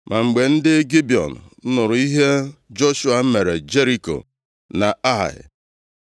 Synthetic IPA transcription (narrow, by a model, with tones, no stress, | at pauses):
mʔa˨ŋ͡m̩˨ɡ͡be˨n̩˦dɪ˦ɡi˦bi˨ɔ̰˨n̩˨˦nʊ˨ɾʊ˨i˦ɦe˦d͡ʒo˦ʃu˦a˨m̩˦me˨ɾe˨d͡ʒe˦ɾi˨ko̰˨ | na˨a̰˦˨ɪ̰˨